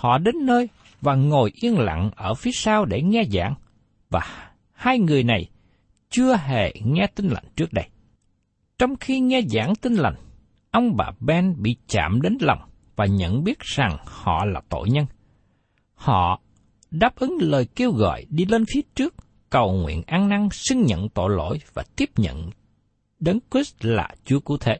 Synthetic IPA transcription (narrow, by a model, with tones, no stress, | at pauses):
hɔ̰˧˨ɗe˨˦nːəː˧j | vaː˨˩ŋo˨˩jʔi˧ənla̰˧˨ŋʔəː˧˩fi˨˦əsaː˧wɗe˧˩ŋɛ˧za̰ː˧˩ŋ | vaː˨˩ | haː˧jŋɨ˨˩əjna˨˩j | t͡ɕɨ˧əɦḛ˧˩ŋɛ˧t̪ï˧ŋ̟la̰˨˩jŋ̟t͡ɕɨ˦˥ək̚ɗə˧j | t͡ɕɔ˧wŋ͡mxi˧ŋɛ˧za̰ː˧˩nt̪ï˧ŋ̟la˨˩jŋ̟ | ʔə˧wŋ͡mɓa̰ː˨˩ɓɛ˧nɓḭ˧˨t͡ɕa̰ː˧˨mɗe˨˦nlɔ˨˩wŋ͡m | vaː˨˩ɲə̰˧˨nɓi˦˥ət̚z̥a˨˩ŋhɔ̰˧˨laː˨˩t̪o̰˧˨jɲə˧n | hɔ̰˧˨ | ɗaː˦˥p̚ʔɨ˨˦ŋləː˨˩jke˧wɣɔ̰˧˨jɗi˧le˧nfi˨˦ət͡ɕɨ˦˥ək̚ | kə˨˩wŋwḭ˧˨ənʔaː˧ŋna˧ŋsï˧ŋ̟ɲə̰˧˨nt̪o̰˧˨jlo̰˧˥˨jvaː˨˩t̪i˦˥əp̚ɲə̰˧˨n | ɗe˨˦nkwi˦˥sla̰ː˨˩t͡ɕu˨˦əkṵ˧˩t̪ʰe˧˨˦